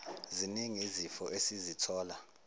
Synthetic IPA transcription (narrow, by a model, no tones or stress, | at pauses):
ziniŋizifɔʔesizitʰɔːla